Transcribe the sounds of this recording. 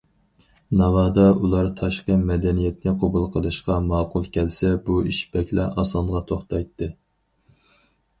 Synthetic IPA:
nɑvɑːd̪ɑulˠɑɾt̪ʰɑʃqəmɛd̪ɛnijɛt̪nɪqʰobulˠqʰəlˠɨʃqɑmɑːqʊlˠkʲʰɛlsɛbuiʃbɛkʲlɛʔɑsɑnʁɑt̪ʰoχt̪ɑjt̪ʰːɨ

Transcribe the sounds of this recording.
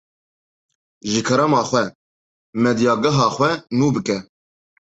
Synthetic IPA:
ʒɨkʰɐɾɑmɑːχʷɛ | mɛd̪jɑːɡɐɦɑːxʷwɛnuːbɨkʼɛ

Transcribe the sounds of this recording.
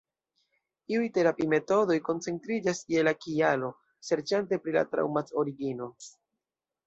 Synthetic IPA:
iujte̞ɾapime̞to̞do̞jko̞nt͡se̞ntɾid͡ʒasielakialo̞ | se̞ɾt͡ʃante̞pɾila̰tɾa̰wmato̞ɾiɡino̞

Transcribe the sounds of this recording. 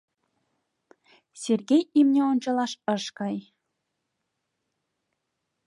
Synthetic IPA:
sʲerɣʲejimnʲeonʲt͡ɕɑ̆lˠɑʃɤ̆ʃkɑj

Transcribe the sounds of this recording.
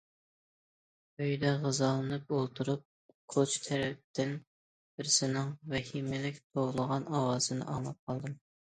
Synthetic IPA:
øjd̪ɛʁəzɑlˠɨnɨpolˠt̪ʰuɾup̚ | qʰot͡ʃʰt̪ʰɛɾɛp̚t̪ʰɪn | b̥ɪɾsɪnɪŋvɛhimɪlɪkʲt̪ʰoʁlˠəʁɑnɑwɑːz̥ɨnɨ̰ʔɑmɑp̚qʰɑlˠd̪ɨm

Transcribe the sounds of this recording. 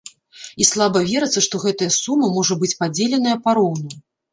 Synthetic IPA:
islˠabɐvʲɛɾɐt̪sːɐʂt̪ɔɣɛt̪ɐjɐsumɐmɔʐɐbɨt͡sʲpad͡zʲelʲɛn̪ɐjɐpaɾɔwnɐ

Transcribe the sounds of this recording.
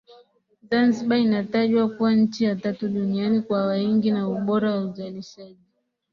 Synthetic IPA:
zanziɓainataʄwakuwaɲ̩t͡ʃijatatuɗunianikwawaiŋɡinauɓɔɾawauzaliʃaʄi

